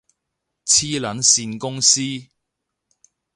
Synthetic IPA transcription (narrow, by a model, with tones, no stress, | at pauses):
t͡sʰiː˥lɐ˨˥nsiː˧nkʊ˥ŋsiː˥